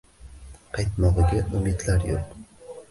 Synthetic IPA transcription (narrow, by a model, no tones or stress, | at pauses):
qʰɑjt̪mɒʁɨɡʲaʔʊmid̪laɾjo̰l